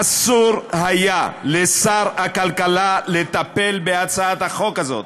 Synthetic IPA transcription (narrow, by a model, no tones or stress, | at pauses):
asuʁhajalesaʁakalkalalet̪ape̞lbeat͡saat̪aχo̞kazo̞̰t̪